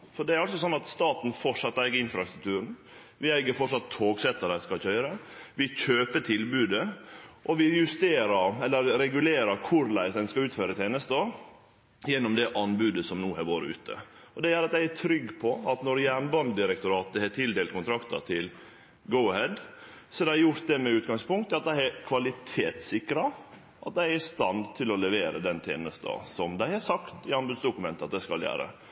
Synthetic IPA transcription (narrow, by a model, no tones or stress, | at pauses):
fɔɖɛæɾɑlsɔsɔnːɑt̪st̪ɑːt̪n̩fɔʂɑt̪ːæɪɡəɪnfɾɑst̪ɾʉk̚t̪ʰʉːɾn̩ | ʋɪæɪɡəɾfɔʂɑt̪ʰːoːɡsɛt̪ːəɾəskɑlçœʏɾəʋɪçøːpət̪ʰɪlbʉːd̪əʔɔʋɪjʉst̪eːɾəɾɛlːəɾɾɛɡʉleːɾəɾkʰʊɾlæɪsd̪ɛnskɑʉːt̪føːɾət̪ʰeːnəst̪ɔ | jɛnːɔmd̪ɛʔɑnbʉːd̪əsɔmnuːæɾʋoːɾə̰ʉ̰ːt̪ʰə̰ | ɔd̪ɛjæːɾɑt̪̚d̪æɪæʈʰɾʏɡːpʰɔɑt̪nɔɾjæːnbɑnd̪ɪɾɛkt̪ʊɾɑːt̪̚d̪ɛhɛʈʰɪld̪eːlt̪kʰʊnt̪ɾɑkt̪ɑ̰t̪ʰɪl | ɡoʊhɛd̪ | sɔhæɾd̪æɪɾjʊɾt̪̚d̪ɛmɛʉːt̪ɡɑŋspʊŋkt̪ɑt̪̚d̪æɪɛɾkʰʋɑlɪt̪ʰeːt̪sɪkɾɑ | ʔɑt̪̚d̪æɪɾɪst̪ɑnd̪t̪ʰɪlɔlɛʋeːɾəd̪ɛnt̪ʰjḛːnəst̪ə̰sɔmd̪æɪhɑsɑkt̪ɪɑnbʉd̪sd̪ʊkʉmɛnt̪əɑt̪̚d̪æɪskɑljæ̰ːɾə̰